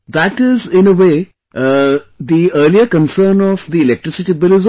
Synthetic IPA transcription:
d̪æʈɪzɪ̃nəʋeː | d̪iəːliəkə̃nsəːnɔʋd̪iɪlɛk̚ʈɾɪsɪʈibɪlɪz

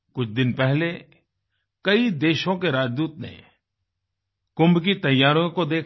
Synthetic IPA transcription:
kʊt͡ʃʰd̪ɪnpɛɦle | kɐid̪eːʃõkeɾaːd͡ʒd̪uːt̪̚nḛ̃ | kʊ̃mbk̬it̪ɐjːaːɾõkod̪eːkʰ

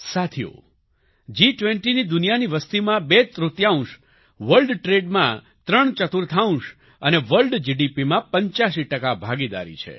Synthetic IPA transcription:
sat̪ʰijo̰ | d͡ʒiʈʋẽɳʈinid̪unijaniʋəst̪imãbet̪ɾut̪jaũʃ | ʋəlɖʈɾeɖmã̰ | t̪ɾəɳt͡ʃət̪ʰuɾt̪ʰaũʃ | əneʋəlɖd͡ʒiɖipimãpəɲt͡ʃaʃ̬iʈəkabʱaɡid̪a̰ɾḭt͡ʃʰḛ

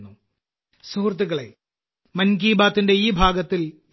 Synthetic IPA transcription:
nːu | suːrt̪̬ːiɣɐɭḛ | mɐnɡiːbaːt̪ːinde̞iːbʱaːɡɐt̪ːil

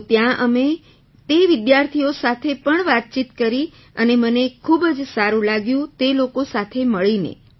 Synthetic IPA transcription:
t̪jãʔəme | t̪eʋɪd̪jaɾt̪ʰijosat̪ʰepəɳʋat̪̚t͡ʃit̪kəɾi | ənemənekʰubd͡ʒsaɾũlaɡjũt̪elokosat̪ʰeməɭinḛ

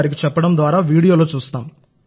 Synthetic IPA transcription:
ɾik̬it͡ʃɛpːɐɽɐmd̪ʋaːɾaːʋiːɽijo̞ːlo̞ːt͡ʃuːst̪aːm

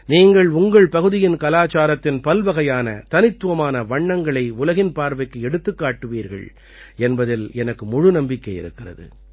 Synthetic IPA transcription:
niːŋɡɐɭʊŋɡɐɭpɐɣɯðɪjɪnkɐlaːt͡ʃaːɾɐt̪ːɪnpɐlʋɐɣɐjaːnɐ̰t̪ɐnɪt̪ːɯʋɐmaːnɐʋɐɳːɐŋɡɐɭɐɪʊlɐɣɪnpaːɾʋɐɪkːɯɛɽɯt̪ːɯkːaːʈːɯʋiːɾɣɐ̰ɭ | ɛnbɐðɪlɛnɐkːɯmʊɻʊnɐmbɪkːɐɪɪ̰ɾɯkːɪrɐ̰ðɯ̰

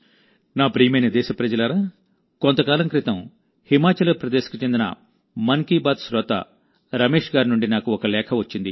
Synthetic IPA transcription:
naːpɾiːmɐjnɐd̪ɛːʃɐpɾɐd͡ʒɐlɐɾaː | kont̪ɐkaːlɐmkɾit̪ɐm | himaːt͡ʃɐlɐpɾɐd̪eːsɐ̥kut͡ʃend̪inɐ̰ | mɐŋkiːbaːd̪sɾɔːt̪ɐ̰ | ɾɐmeːʂɡaːɾnuɳɖinaːkuɔkɐlɛːkʰɐʋɐt͡ʃːind̪i

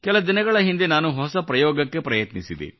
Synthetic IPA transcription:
kɛlɐd̪inɐɡɐɭɐɦind̪enaːnuɦɔsɐpɾɐjɔːɡɐkːe̞pɾɐjɐt̪nisid̪ḭ

